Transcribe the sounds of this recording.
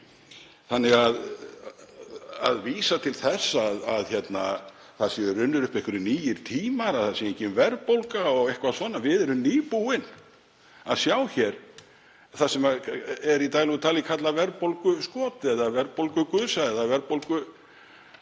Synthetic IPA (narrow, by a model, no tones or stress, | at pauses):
θanːɪɣað | a̰ðviːsat̪ʰɪlθɛsːaðaðçjɛt̪na | θasɛɾʏnːʏɾʏhpɛhkʏɾɪniːjɪɾ̥t̪ʰiːmaɾaθasieɲcɪmvɛɾpowlkaɔɣɛhkvasvɔːnavɪðɛɾʏmniːpuɪn | aðsjaːwçɛɾ̥ | θasɛmaɛɾit̪aːjlɔɣʏt̪ʰaːlɪkʰat̪lavɛɾpowlkʏskɔːt̪ɪɛðavɛɾpowlkʏkʏːðsaɛðavɛɾpowlkʏ